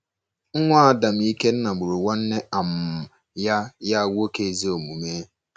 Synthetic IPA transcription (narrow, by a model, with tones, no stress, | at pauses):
ŋ̩˦ŋʷa˦˨da˨m̩˨i˦ke˦n̩˦na˨ɡ͡bʊ˨ɾu˨wa˦n̩˦ne˦a˨m˨ | ja˦ja˦˨wu˦o˦ke˨e˨zi˦o˨mu˨meː˦